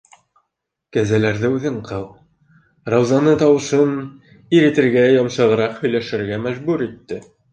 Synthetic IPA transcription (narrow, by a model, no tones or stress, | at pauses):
kæzælæɾðɘʉðɘɴqʰɤlˠ | ɾɑwzɑnɤt̪ɑwɤ̆ʃɤn | iɾĭt̪ɘ̆ɾɡæjɒmʃɤ̆ʁɤ̆ɾɑqhɵ̆jlæʃɘ̆ɾɡæmæʒbʉɾit̪ːɘ